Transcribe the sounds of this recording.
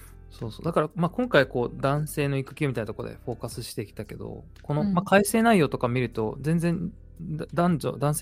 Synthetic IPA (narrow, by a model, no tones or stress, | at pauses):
so̞ːso̞ːd̪akaɾamaːkõ̞ŋkaiko̞ːd̪ãɰ̃se̞ːno̞ikɯ̟kʲiomit̪ainat̪okod̪e̞̰ɸo̞ːkasɨɕi̥t̪e̞ikʲi̥t̪ake̞d̪o̞̰ | ko̞no̞makaise̞ːnaijo̞ːt̪o̞kamʲiɾɯ̟t̪o̞zẽ̞nd͡zẽ̞n | d̪ãɲd͡ʑo̰ːd̪ãɰ̃se